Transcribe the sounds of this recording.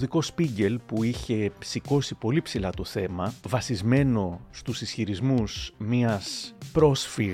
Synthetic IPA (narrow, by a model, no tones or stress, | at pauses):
ðiko̞spiɲɟe̞lpuiçe̞siko̞sipo̞lipsilɐt̪o̞θe̞mɐvɐsizme̞no̞st̪usisçiɾizmusmiɐspɾo̞sfiɣ